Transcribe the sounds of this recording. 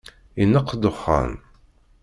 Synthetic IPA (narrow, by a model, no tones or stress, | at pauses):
inːəqːd̪ʊχːa̰n